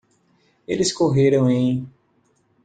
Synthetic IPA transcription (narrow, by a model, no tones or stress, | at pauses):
elɪskoɦeɾɐ̃w̃ẽj̃